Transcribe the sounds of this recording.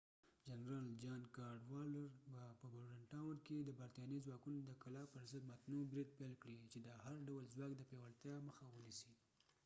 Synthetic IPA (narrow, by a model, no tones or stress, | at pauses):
d͡ʒanɾɑld͡ʒɑnkɑɾɖwɑləɾbapəbʊɾɽaɳʈɑwəɾked̪əbaɾt̪ɑnəzwɑkunod̪əkalɑpəɾzəd̪mat̪nubɾid̪̚pelkɽit͡ʃed̪əhaɾɖawəlzwɑkd̪əpewalt̪jɑməxawənisi